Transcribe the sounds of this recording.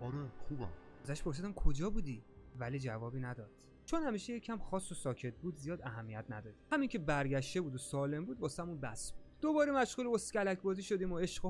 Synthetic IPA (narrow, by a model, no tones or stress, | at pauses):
ɒɾeχubæ̰m | æzæʃpʰo̞ɾs̬iːd̪æmkʰod͡ʒɒːbuːd̪i | væliːd͡ʒævɒːbiːnæd̪ɒːd̪̥ | t͡ʃʰonhæmiːʃejecʰæmxɒːsːosɒːcʰe̞t̪̚ʰbuːd̪zijɒːd̪æɦæmːijæt̪ʰnæd̪ɒːd̪̥ihæmiŋcʰe̞bæɾɡæʃt̪e̞buːd̪osɒːle̞mbuːd̪̚bɒːsæmunbæsbud̪̥d̪obɒːɾemæʃɣuːleost̪cʲælæcʰbɒːziːʃod̪iːmoeʃɢo